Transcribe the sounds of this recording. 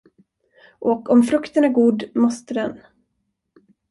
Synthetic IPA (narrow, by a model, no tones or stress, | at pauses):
ʔɔkɔmfɾɵkt̪ənæɾɡuːd̪mɔst̪əd̪ɛn